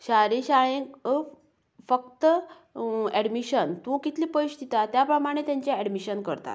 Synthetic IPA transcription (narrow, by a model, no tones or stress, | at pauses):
ɕaɾẽɕaɭẽk | fəkt̪ə | ɛɽmiɕənt̪ũkit̪liːpəiɕt̪it̪at̪japɾəmaɽ̃ẽt̪jãɲt͡ɕeɛɽmiɕənkəɾt̪a̰